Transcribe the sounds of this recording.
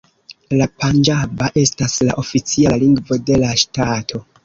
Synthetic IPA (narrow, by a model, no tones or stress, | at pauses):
lapand͡ʒabaʔe̞staslaʔo̞fit͡sialiŋɡvo̞de̞laʃtatʰo̞